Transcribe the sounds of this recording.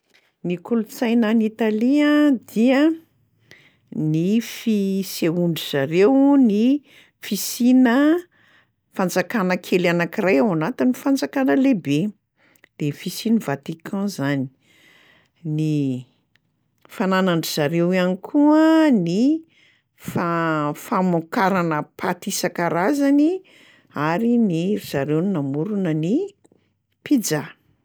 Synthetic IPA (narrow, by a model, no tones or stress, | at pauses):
nikulut͡sajnanit̪aliə̃d̪̥iə | nifiseuɳɖ͡ʐiz̥aɾewni | fisinə | fand͡zakanəkʰelanakirajawanat̪inifand͡zakanəlebe | d̪̥efisinəvat̪ikʰɑ̃zani̥ | ni | fananaɳɖ͡ʐiz̥aɾewanikʰuəni | fafamukaɾanəpʰat̪isakaɾazani | aɾiniɾz̥aɾewninamuɾunəni | pid͡za